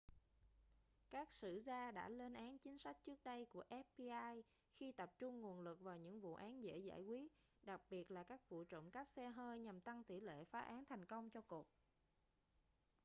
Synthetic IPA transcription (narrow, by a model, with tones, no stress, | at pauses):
kaː˦˥k̚sɨ̰˧˨zaː˧ɗa̰ː˧˥le˧nʔaː˨˦nt͡ɕï˨˦ŋ̟sa˦˥k̟̚t͡ɕɨ˦˥ək̚ɗə˧jku˧˩əʔɛ˦˥pːi˧ʔaː˧j | xi˧t̪ə˨˩p̚t͡ɕʊ˧ŋ͡mŋu˨˩ənlɨ˨˩k̚vaː˨˩wɲɨ̰˧˥ŋvṵ˧˨ʔaː˨˦nzḛ˧˥za̰ː˧˩jkwi˦˥ət̚ | ɗa˨˩k̚ɓi˨˩ət̚laː˨˩kaː˦˥k̚vṵ˧˨t͡ɕə̰˧˨wŋ͡mkə˦˥p̚sɛ˧ɦəː˧jɲa˨˩mt̪a˧ŋt̪i˧˩lḛ˧˨faː˨˦ʔaː˨˦nt̪ʰɛ˨˩jŋ̟kə˧wŋ͡mt͡ɕɔ˧ku˨˩ək̚